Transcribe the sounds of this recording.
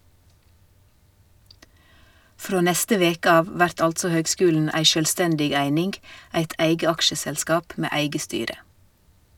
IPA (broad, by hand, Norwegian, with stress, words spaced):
ˈfɾoː ˈnɛstə ˈʋeːkə ˈɑːʋ ˈʋæɾt ˈɑltsɔ ˈhøːɡˌskʉːln̩ ˈæɪ ʃœlˈstɛndɪɡ ˈæɪnɪnɡ ˈæɪt ˈʔæɪɡə ˈɑkʃəsɛlˌskɑːp ˈmeː ˈæɪɡə ˈstyːɾə